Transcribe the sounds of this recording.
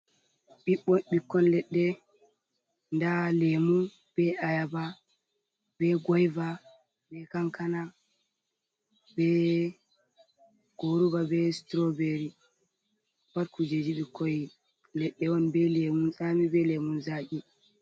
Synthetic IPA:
ɓiɓːɔɓikːɔnlɛɗːɛ | ndalemun | b̥ɛajaba | bɛɡɔjva | bɛkaŋkana | bɛ | ɡ̥oɾubabɛstɾobeɾi | waɾkud͡ʒed͡ʒiɓikːɔj | lɛɗːɛwɔnbɛlemunsamibɛlemunzaʔi

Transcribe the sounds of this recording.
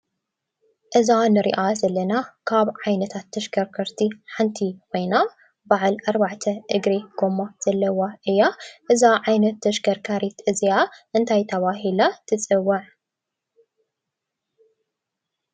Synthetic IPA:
ʔɨzanɨɾḭʔazɐlːɐnakʰaβʕajnɐt̪ʰat̪ʰːɐʃɡɐɾkʰɐɾt̪ʰiħant̪ʰikʰo̞jna | baʕlʔaɾbaʕt̪ʰɐʔɨɡɾeɡomaz̥ɐlːɐwaʔɨjːaʔɨzaʕajnɐt̪ːɐʃɡɐɾkʰaɾit̪ɨzijaʔɨnt̪ʰajt̪ʰɐβaɦilat̪ʰɨt͡sʼɨwːɐʕ

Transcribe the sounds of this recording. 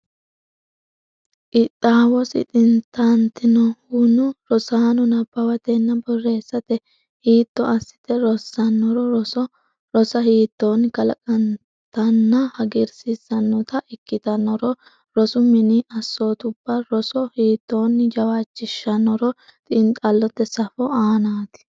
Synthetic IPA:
ʔɪt̪ʼːaːwɔsɪ̰t̪ʼɪnt̪ɐnt̪ɪnɔhunʊɾɔsaːnɔnɐbɐwɐt̪ɛnːɐbɔrːe̞ːsːɐt̪ɛ | hiːt̪ːɔɐsːɪ̥t̪ɛɾɔsːɐnːɔɾɔɾɔɔ | ɾɔsɐhiːt̪ːoːnkɐlɐ̰kʼɐn | t̪ɐnːɐhɐɡɪɾsɪsːɐnːɔt̪ɐʔɪkːɪt̪ɐnɔɾɔ | ɾɔsʊmɪniʔɐsːoːt̪ʊbːɐɾɔsɔhiːt̪ːoːnd͡ʒɐwaːt͡ʃːɪʃːɐnɔɾɔ | t̪ʼɪnt̪ʼɐlːɔt̪ːɛsɐfɔaːnaːt̪ɪ̥

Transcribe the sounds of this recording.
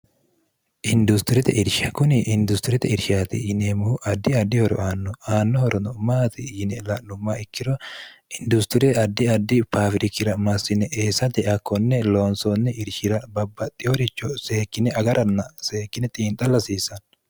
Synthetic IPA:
ʔɪnd̪ʊst̪ɪɾɛt̪ɛ̰ʔɪɾʃɐkʊnɪʔɪnd̪ʊst̪ɪɾɛt̪ɛɪɾʃaːt̪ɪ̰jɪneːmʊhʊʔɐd̪ːɪɐd̪ːɪhɔɾɔ̰ʔaːnːɔaːnːɔhɔɾɔnɔmaːt̪ɪjɪnɛlɐlːʊmːaɪkːɪɾɔ | ɪnd̪ʊst̪ɪɾɛɐd̪ːɪɐd̪ːɪpaːfɾɪkːɪɾɐmɐsːɪnɛʔeːsɐt̪ɛɐkʰːɔnːɛloːnsɔnːɛʔɪɾʃɪɾɐbɐbːɐt̪ʼːɪhɔɾɪt͡ʃːɔse̞ːkːɪnɛɐɡɐɾʔɐnːɐse̞ːkːɪnɛt̪ʼiːnt̪ʼɐlɐsiːsɐn

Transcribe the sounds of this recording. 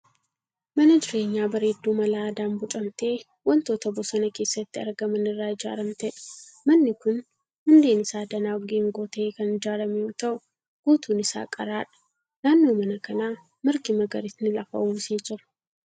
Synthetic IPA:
mɐnɐd͡ʒɪɾe̞ːɲːaːbɐɾeːd̪ːuːmɐlaːd̪aːnbʊt͡ʃʼɐmt̪e̞ː | wɐnt̪o̞ːt̪ɐbʊsɐnɐke̞ːsːɐt̪ːɪɐɾɡɐmɐnɪrːaːɪd͡ʒa̰ːɾɐmt̪ɛᶑɐ̥mɐnːɪkʊn | hʊnd̪e̞ːnɪsaːd̪ɐnaːɡeːŋɡoːt̪ɐʔeːkɐnɪd͡ʒaːɾɐmɛut̪ɐʔʊ | ɡ̥uːt̪uːnɪsa̰ːkʼɐɾaːᶑɐ̥ | naːnːoːmɐnɐkɐnaː | mɪɾkɪmɐɡɐɾɪt̪nɪlɐfɐ̰ʔuːseːd͡ʒɪɾɐ̥

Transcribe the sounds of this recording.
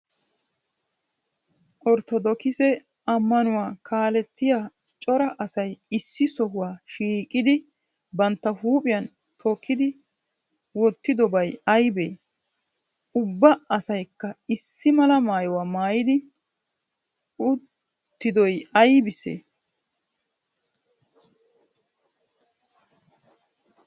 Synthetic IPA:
ʔɔɾt̪ɔd̪ɔkɪsɛ | ʔɐmːɐnʊwaːkʰaːlɛt̪ːɪjaː | t͡ʃʼɔɾɐʔɐsɐjɪsːɪsɔhʊwaːʃiːkʼɪd̪ɪ | bɐnt̪ːɐhuːpʼɪjɐn | t̪ʰoːkʰːɪd̪ɪ | wɔt̪ːɪd̪ɔbɐjɐjbeː | ʊbːɐɐsɐjkːɐɪsːɪmɐlɐmaːjɔwaːmaːjɪd̪ɪ | ʊt̪ː | ɪd̪ɔjɐjbɪsḛː

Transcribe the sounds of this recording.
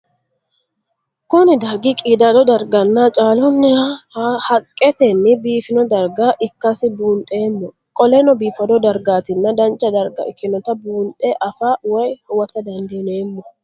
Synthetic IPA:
kʊnɪd̪ɐɾɡikʼiːd̪ad̪ɔd̪ɐɾɡɐnːaːt͡ʃʼaːlʊnːɪahɐkʼːɛt̪ɛnːɪbiːfɪnɔd̪ɐɾɡaʔɪkːɐsɪbuːnt̪ʼeːmːɔ | kʼɔlɛnɔbiːfɐd̪ɔd̪ɐɾɡaːt̪ɪnːɐd̪ɐnt͡ʃʼɐd̪ɐɾɡɐ̰ɪkːɪnɔt̪ɐbuːnt̪ʼɛʔɐfaːwɐjhwɐt̪ːɐd̪ɐnd̪eːneːmːɔ

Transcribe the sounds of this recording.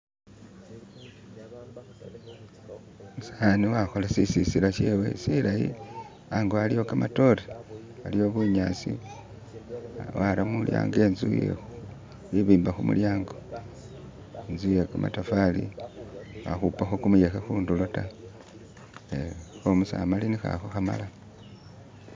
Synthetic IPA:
musaniwaxo̞lasisisiɾaʃe̞we̞̰silajḭ | aŋɡoalijo̞kamato̞ɾi | alio̞βuɲasi | waɾamulja̰ːŋɡe̞ːnzṵjḛxu | wiβiːmbaxumṵljaːŋɡo | enzujekamʔa̰tafalḭ | wa̰xupaxokumujexexuːndulota | exomusa̰malinixa̰xoxama̰la

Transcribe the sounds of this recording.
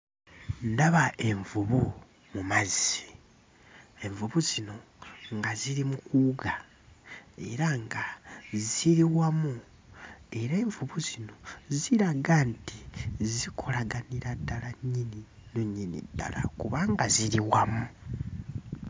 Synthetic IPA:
ndaβaʔe̞ɱvuβu | mumazii̥ | e̞ɱvuβuzino̞ | ŋɡaziɾimukuːɡa | e̞ɾaŋɡaziɾiwamu | e̞ɾeːɱvuβuzino̞ziɾaɡantizikʰo̞laɡaniɾadalaɲininoɲinḭda̰la̰kuβaŋɡaziɾiwamu

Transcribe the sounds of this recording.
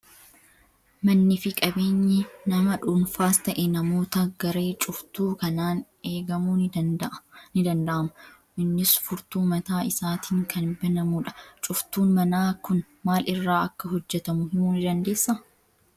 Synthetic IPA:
mɐnːɪfɪkʼɐbe̞ːɲːɪnɐmɐᶑuːnfaːst̪ɐʔenɐmo̞ːt̪ɐɡɐɾe̞ːt͡ʃʼʊft̪uːkɐnaːn | e̞ːɡɐmuːn | nɪd̪ɐnd̪ɐʔɐmʊ | ʔɪnːɪsfʊɾt̪uːmɐt̪aːɪsaːt̪ʰiːŋkʰɐnbɐnɐmuᶑɐ̥t͡ʃʼʊft̪uːnmɐnaːkʊn | maːlɪrːaːɐkːɐɦɔd͡ʒːɛt̪ɐmʊhɪnuːnɪd̪ɐnd̪eːsːɐ

